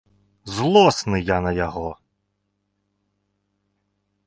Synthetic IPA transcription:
zlˠɔsnɪjanɐjɐɦɔ

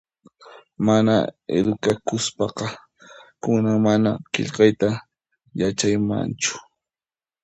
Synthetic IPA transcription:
mana̰ḛd̪ʊkakʊspɑqɑ | kʊnaŋmanaqḛʎqɑjt̪a | jat͡ʃajma̰nt͡ʃʊ̥

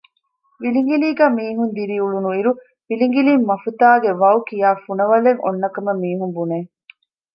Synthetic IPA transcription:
ʋiliŋɡiliːɡæːmiːɦund̪iɾiuɭunuiɾu | ʋiliŋ̆ɡiliːmːɐfut̪aːɡeʋɐwkijaːfunɐʋɐleŋo̰nːɐkɐmemiːɦumbuneː

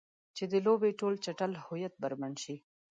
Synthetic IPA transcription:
t͡ʃed̪əlobeʈolt͡ʃaʈəlhʊjat̪̚baɾmaɳʃi

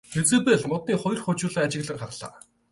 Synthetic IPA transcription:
xet͡sɘ̆peɮmʊt̪̚niːχɔj̆rχʊːt͡ɕʊːɮɘ̆ːat͡ɕɪ̆ɣɮə̆rχarɮa̰ː

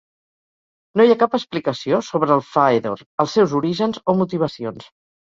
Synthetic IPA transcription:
nojakapəsplikəsiosoβɾəːlˠfajðoɾəlˠsɛwzuɾiʒənzomut̪iβ̞əsions

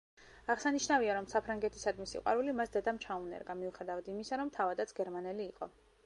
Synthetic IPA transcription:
aʁsaniʃnaviaɾɔmsapʰɾaŋɡɛt̪ʰi̥sad̪misḭqʼwa̰ɾulimasd̪ad̪amt͡ʃʰaunɛ̰ɾɡamiuχɛd̪avad̪imisaɾɔmt̪ʰavad̪at̪sʰɡɛɾmanɛliːqʼɔ̰

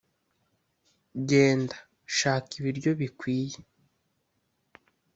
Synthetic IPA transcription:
ɟe̞ːnda | ʃaːkiβiɾɟo̞βikwiːje

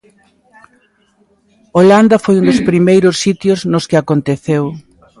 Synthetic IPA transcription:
oland̪ɐfojund̪ʊspɾimejɾʊsːit̪jʊznʊskɪakont̪eθew

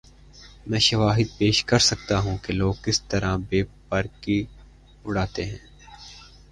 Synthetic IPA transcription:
mɛ̃ːʃɐʋaːɦɪd̪̚peːʃkɐɾsɐk̚t̪aɦũkeloːɡ̚kɪst̪ɐɾabeːpɐɾki | ʊɽaːt̪eɦɛ̃ː

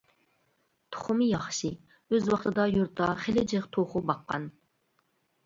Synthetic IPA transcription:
t̪ʰʊ̥χʊmɨjɑχʃi | øzwɑχt̪ɨd̪ɑjuɾt̪ʰɑχelɪd͡ʒɪqt̪ʰoχʊbɑqːɑ̰n

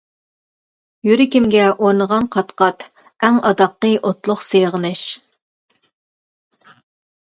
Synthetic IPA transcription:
jyɾɪkʲimɡʲɛʔoɾnəʁɑnqʰɑt̪qɑt̪ | æŋɑd̪ɑqːəʔot̪lˠʊχseʁənɨʃ

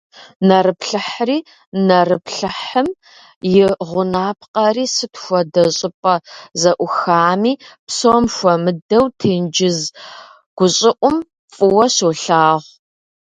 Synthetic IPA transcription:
nɐɾɨpɬɨħriː | nɐrɨpʰɬɨħəm | jɪʁʷʊnaːpʰqɐriːsɨtʰxʷɔdɐɕʼɪpʼɐzɐʔʷʊxaːmiːpsomxʷɔmɨdɐwtʰeːnd͡ʒɪz | ɡ̥ʷʊɕʼɪʔʷʊm | fʼɨwɐɕoːɬaːʁʷ

